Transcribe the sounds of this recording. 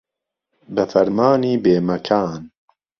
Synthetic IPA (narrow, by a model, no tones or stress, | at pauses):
bɨfɐɾmaːniːbeːmɐkʰaːn